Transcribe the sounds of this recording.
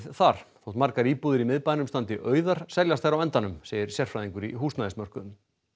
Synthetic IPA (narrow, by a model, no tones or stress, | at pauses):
θaɾ̥θowht̪maɾkaɾiːpuðɪɾimɪðpajnʏmst̪ant̪ɪʔœːɥðaɾ̥sɛljast̪aɾawɛnt̪anʏmseːjɪɾ̥sjɛr̥fɾajðiŋkʏɾḭɦuːsnaɪsmœr̥kʏm